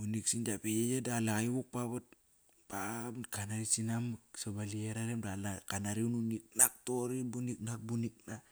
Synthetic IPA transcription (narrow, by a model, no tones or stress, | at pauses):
bunik̚sind͡ʒapejejadalaɣaiβuk̚paβat̚ | pamkanaɾisinamksobalieɾaɾemdalakanaɾiununik̚nak̚toɾibunik̚nak̚bunik̚na